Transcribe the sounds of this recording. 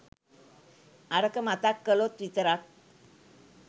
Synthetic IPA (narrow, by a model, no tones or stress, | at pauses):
aɾəkəmat̪akːəlot̪ʋit̪əɾak̚